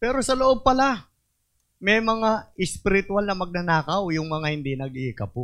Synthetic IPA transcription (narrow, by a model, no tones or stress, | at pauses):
pɛːɾo̞sɐloʔob̚pɐla | mɛjmɐŋaɪspɪɾɪt̪ʊalnɐmɐɡ̚nɐnaːkɐwjʊŋmɐŋahɪnd̪inɐɡiːkɐpo